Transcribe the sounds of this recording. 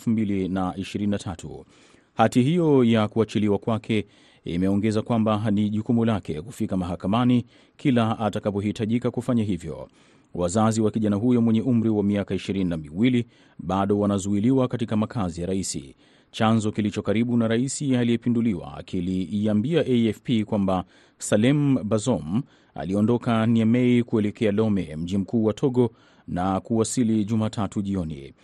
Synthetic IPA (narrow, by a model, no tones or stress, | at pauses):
fumbilinaiʃiɾininatʰatʰṵ | hatiɦijɔjakuat͡ʃiliwakwakʰɛ | ḭmɛɔŋɡɛzakwambaniʄukumulakʰɛkufikamaɦakamani | kʰilaatakap̬ɔɦitaʄikakufaɲaɦivjɔ̰ | wʔazaziwakiʄanaɦujɔmwɛɲɛʔum̩ɾiwamiakaiʃiɾininamiwili | ɓaɗɔwanazuiliwakatikamakʰazijaɾaisḭ | t͡ʃanzɔkilit͡ʃɔkaɾiɓunaɾaisialiɛpinduliwa̰kiliːambiaʔeɛfpikwamba | salɛmbazɔm | a̰liɔndɔkaniamɛikuɛlɛkʰɛalɔmɛm̩ʄim̩kuːwatʰɔɠɔ | nakuwasiliʄumatʰatuʄiɔnḭ